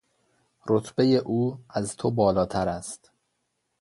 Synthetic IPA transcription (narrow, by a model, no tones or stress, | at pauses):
ɾo̞t̪ʰbe̞je̞ʔuːæzt̪ʰobɒːlɒːt̪ʰæɾæst̪